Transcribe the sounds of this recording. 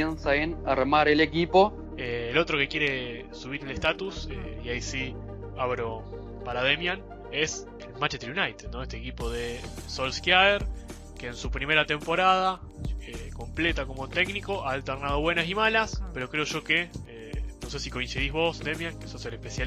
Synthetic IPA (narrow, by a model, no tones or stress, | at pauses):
ensaenaɾmaɾelekipo̞ | eːlo̞t̪ɾo̞ke̞kjeɾe | suβ̞iɾelest̪at̪usḛiajsi | aβɾo | paɾað̞emjan | es | elmãnt͡ʃet̪eɾjunajt̪ed̪no̞est̪ekipo̞ðesolskjaaeɾ | keːnsupɾime̞ɾat̪e̞mpo̞ɾað̞a | eko̞mple̞t̪ako̞mo̞t̪e̞ɡniko̞ʔaːlt̪eɾnað̞o̞βwe̞nasimalaspe̞ɾo̞kɾe̞o̞ʒo̞keenose̞siko̞insiðizβo̞sd̪emjaŋkesoselehpesja